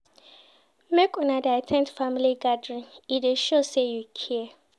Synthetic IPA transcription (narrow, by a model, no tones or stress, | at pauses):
mekɔ̃nadɛatʰɛ̃ntfamiliɡadɹĩnideʃosejukʰiɛ